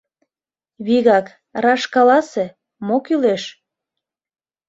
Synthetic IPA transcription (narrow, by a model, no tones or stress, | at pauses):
βiɣɑk | rɑʃkɑlɑse | mokyleʃ